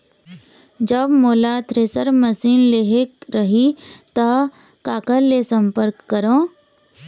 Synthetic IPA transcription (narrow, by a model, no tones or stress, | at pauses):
d͡ʒəbmoːlat̪ʰɾeːsəɾməsiːnleɦekɾəɦit̪ə | kaːkəɾlesə̃mpəɾkːəɾõː